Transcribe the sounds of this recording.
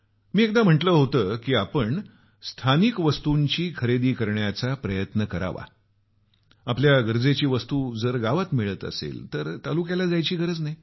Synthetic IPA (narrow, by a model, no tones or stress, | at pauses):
miːek̚d̪am̤əʈləːɦot̪əːkiːapəɳ | st̪ʰanikʋəst̪uɲt͡ɕiːkʰəɾed̪iːkəɾɳjat͡sapɾəjət̪nəkəɾa̰ʋa̰ | apljaɡəɾd͡zet͡ɕiːʋəst̪uːd͡zəɾɡaʋat̪miɭət̪ə̰sḛlt̪əɾt̪alukjalad͡zajt͡ɕiːɡəɾət͡snaj